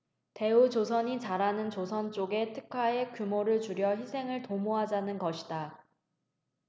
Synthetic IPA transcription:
te̞ut͡ɕos̬ʰʌɲit͡ɕaɾanɯnt͡ɕosʰʌnt͡ɕ͈oɡe̞tʰɯkʰaekjumoɾɯɭt͡ɕuɾjʌçisʰe̞ŋɯɭtomoɦad͡ʑanɯnɡʌɕʰida

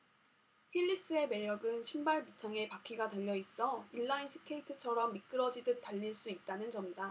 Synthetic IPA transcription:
ɸʰiʎːis͈ɯe̞me̞ɾjʌɡɯnɕʰimbaɭpit͡ɕʰaŋe̞pakʰiɡadweʎːʌis͈ʌiɭːainsʰɯ̥kʰe̞itʰɯt͡ɕʰʌɾʌmːik͈ɯɾʌd͡ʑidɯt͈aʎːiɭs͈uit̚t͈anɯnd͡ʑʌmida

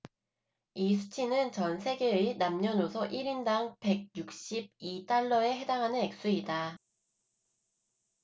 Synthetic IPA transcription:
isʰu̥t͡ɕʰinɯnt͡ɕʌnsʰe̞ɡe̞inamɲʌnosʰʌʔiɾindaŋpe̞ɡ̚juk̚ɕ͈ib̚it͈aɭːʌe̞ɦe̞daŋɦanɯne̞k̚s͈uida

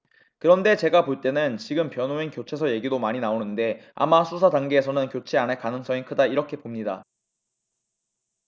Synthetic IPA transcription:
kɯɾʌnde̞t͡ɕe̞ɡapoɭt͈e̞nɯnt͡ɕiɡɯmpjʌnoinkjot͡ɕʰe̞sʰʌje̞ɡidomaɲinaonɯnde̞a̰masʰusʰadaŋɡeːsʰʌnɯnkjot͡ɕʰe̞aneɭkanɯŋs͈ʌŋikʰɯdaiɾʌkʰe̞pomɲida̰

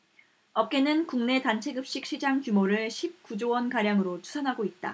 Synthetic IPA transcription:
ʌp̚k͈e̞nɯnkuŋne̞tant͡ɕʰe̞ɡɯp̚ɕ͈ik̚ɕ͈id͡ʑaŋkjumoɾɯɭɕʰip̚k͈ud͡ʑowʌnkaɾjaŋɯɾot͡ɕu̥sʰanɦaɡoit̚t͈a̰

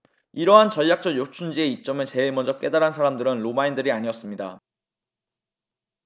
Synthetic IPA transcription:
iɾʌɦant͡ɕʌʎjak̚t͡ɕ͈ʌjot͡ɕʰund͡ʑie̞it͡ɕ͈ʌmɯɭt͡ɕe̞iɭmʌnd͡ʑʌk͈e̞daɾansʰaɾamdɯɾɯnɾomaindɯɾiaɲiʌs͈ɯmɲida̰

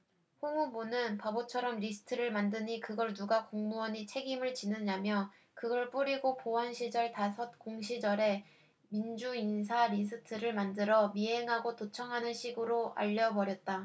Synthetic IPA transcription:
ɸoŋubunɯnpʌbot͡ɕʰʌɾʌmɾisʰɯ̥tʰɯɾɯɭmandɯɲikɯɡʌɭnuɡakoŋmuʌɲit͡ɕʰe̞ɡimɯɭt͡ɕinɯɲamjʌ | kɯɡʌɭp͈uɾiɡopoʌnɕʰid͡ʑʌɭtasʰʌt̚k͈oŋɕʰid͡ʑʌɾe̞ | mind͡ʑuins̬ʰaɾis̬ʰɯtʰɯɾɯɭmandɯɾʌmiɦe̞ŋɦaɡotot͡ɕʰʌŋɦanɯnɕʰiɡɯɾoʔa̰ʎːʌbʌɾjʌt̚t͈a

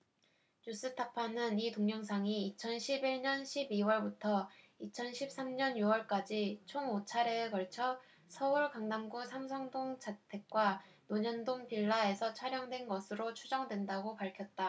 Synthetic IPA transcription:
ɲus͈ɯtʰapʰanɯnitoŋɲʌŋsʰaŋiːt͡ɕʰʌnɕʰibiɭɲʌnɕʰibiwʌɭbutʰʌ | it͡ɕʰʌnɕʰip̚s͈amɲʌnjuwʌɭk͈ad͡ʑit͡ɕʰoŋot͡ɕʰaɾeːɡʌɭt͡ɕʰʌ | sʰʌuɭkaŋnamɡusʰamsʰʌŋdoŋd͡ʑatʰe̞k̚k͈wa | noɲʌndoŋpiɭːae̞sʰʌt͡ɕʰwaɾjʌŋdwe̞nɡʌsʰɯɾot͡ɕʰud͡ʑʌŋdwe̞ndaɡopaɭkʰjʌt̚t͈a

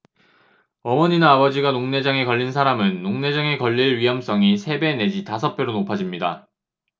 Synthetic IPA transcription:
ʌmʌɲinaːbʌd͡ʑiɡanoŋne̞d͡ʑaŋe̞kʌʎːinsʰaɾamɯnːoŋne̞d͡ʑaŋe̞kʌʎːiɭɥiɦʌms͈ʌŋisʰe̞be̞ne̞d͡ʑitas̬ʰʌp͈ʰjoɾonopʰad͡ʑimɲida

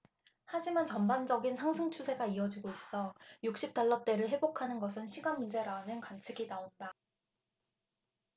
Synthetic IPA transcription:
had͡ʑimant͡ɕʌmband͡ʑʌɡinsʰaŋsʰɯŋt͡ɕʰusʰe̞ɡaiʌd͡ʑiɡois͈ʌjuk̚ɕ͈ip̚t͈aɭːʌt͈e̞ɾɯɭɦe̞bokʰanɯnɡʌsʰɯnɕʰiɡanmund͡ʑe̞ɾanɯnkwant͡ɕʰɯɡinaonda

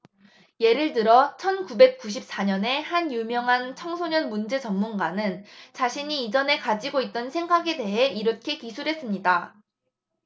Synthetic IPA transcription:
je̞ɾɯɭt̬ɯɾʌt͡ɕʰʌnkubek̚k͈uɕ̬ʰip̚s͈aɲʌne̞hanjumjʌŋɦant͡ɕʰʌŋsʰoɲʌnmund͡ʑe̞t͡ɕʌmːunɡanɯnt͡ɕaɕʰiɲiːd͡ʑʌne̞kad͡ʑiɡoit̚t͈ʌnsʰe̞ŋɡaɡe̞de̞ɦe̞iɾʌkʰe̞kisʰuɾɦe̞s͈ɯmɲida

